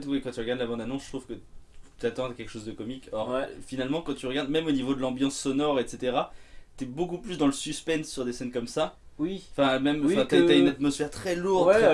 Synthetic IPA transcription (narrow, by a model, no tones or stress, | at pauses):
ɛt̪wikɑ̃t̪yʁəɡaʁd̪labɑ̃d̪anɔ̃sət̪χuv̥kət̪yat̪ɑ̃akʲɛlkə̥ʃozd̪əkɔmikʰɔʁfinalmɑ̃kɑ̃t̪yʁəɡaʁd̪mɛmonivod̪əlɑ̃bjɑ̃sːɔnɔʁet̪set̪eʁat̪yɛbokuplysd̪ɑ̃ləsyspɛnsːyʁd̪esɛnkɔmsawiɑ̃fɛ̃mɛm̃fɛ̃t̪yayaynat̪mɔsfɛʁt̪χɛluʁd̪ɛ